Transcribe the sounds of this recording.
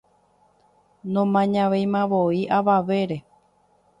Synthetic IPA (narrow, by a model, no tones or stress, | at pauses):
nõmãɲãʋejmãʋoiʔaʋaʋe̞ɾe̞